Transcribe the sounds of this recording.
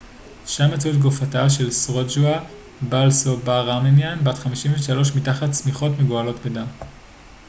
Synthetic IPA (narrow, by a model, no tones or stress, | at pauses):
ʃamat͡sutɡofataʃe̞lsʁod͡ʒua | balsobaʁamenjanbatχamiʃiɱveʃalo̞ʃ̬mitaχatsmiχo̞tmeɡoalo̞tbedam